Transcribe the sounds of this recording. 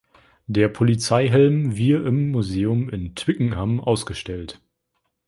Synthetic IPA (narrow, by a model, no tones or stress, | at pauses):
d̥eːɐpʰolit͡saɪɦɛlmviːɐʔɪmːuzeːʊmɪntʰv̥ɪkŋ̩ɦamʔaʊsɡ̥əʃtɛlt